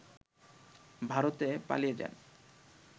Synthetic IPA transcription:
bʱaɾot̪epa̰lijed͡ʑɛ̰n

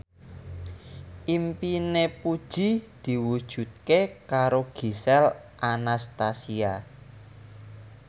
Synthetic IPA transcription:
ʔimpinepud̥ʒ̥i̤d̪̥i̤wud̥ʒ̥ṳt̪̚kekaɾoɡ̥i̤sɛl | ʔanast̪asia

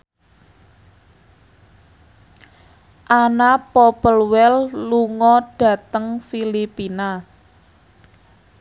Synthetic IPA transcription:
ʔanapɔpəlwɛlluŋɔɖ̥ä̤t̪əŋfilipina

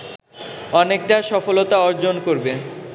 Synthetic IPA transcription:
ɔnek̚ʈaʃɔfolot̪aɔɾd͡ʑonkoɾbe

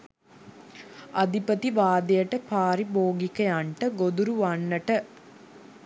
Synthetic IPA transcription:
ɐd̪ʱipət̪iʋaːd̪ɐjəʈəpaːɾiboːɡikɐjaɳʈəɡod̪uɾuʋanːəʈə

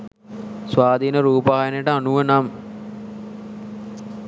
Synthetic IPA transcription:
sʋaːd̪iːnəɾuːpəɦajənjəʈəanuʋənam

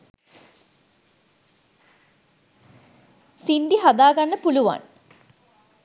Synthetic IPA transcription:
sinɖiɦad̪aːɡanːəpuluʋa̰n

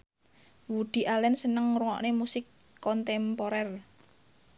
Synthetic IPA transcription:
wud̪̥i̤ʔalɛnsənəŋɾuŋɔ̰ʔnemusɪkː | ɔnt̪ɛmpoɾɛr

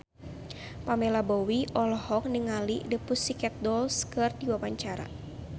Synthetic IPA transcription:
pamɛlabɔwiʔɔlɔhɔk̚nəŋalidəpʊsikɛt̪̚dɔlskɨrdiwawaɲt͡ʃaɾa̰

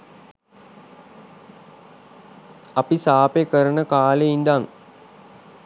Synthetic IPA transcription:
ɐpisaːpekəɾənəkaːleind̪aŋ

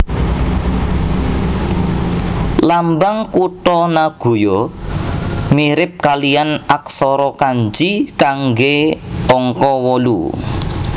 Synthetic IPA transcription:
lambaŋkuʈɔnaɡ̥ṳjɔ | miɾɪp̚kalianak̚sɔɾɔkaɲd͡ʒikaŋɡeɔŋkɔwɔlṵ

